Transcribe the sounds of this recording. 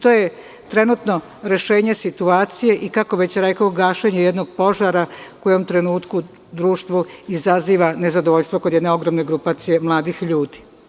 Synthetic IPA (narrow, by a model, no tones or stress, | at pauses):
t̪oje | t̪ɾe̞nuːt̪no̞ | ɾe̞ʃe̞ːɲesit̪uaːt̪sije̞ʔikako̞ʋe̞t͡ɕɾekaoɡaːʃeɲejed̪no̞ɡpo̞ʒaɾakojomt̪ɾe̞nuːt̪ku | d̪ɾuːʃt̪ʋuizaziːʋane̞zad̪oʋoʎst̪ʋoko̞d̪jɛd̪neo̞ɡɾomne̞ɡɾupat̪sije̞mlˠaːd̪ixʎuːd̪i̥